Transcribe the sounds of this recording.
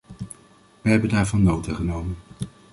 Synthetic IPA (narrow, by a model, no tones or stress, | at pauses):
ʋəɦɛbəndaːɹvɑnːowtaχənowmən